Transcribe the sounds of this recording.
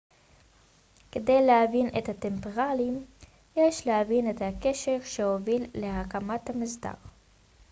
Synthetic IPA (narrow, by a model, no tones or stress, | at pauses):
kede̞jlehavinet̪hat̪e̞mpeʁalim | jeʃlehavinet̪hake̞ʃeʁʃehovilːe̞ɦakamathamizda̰ʁ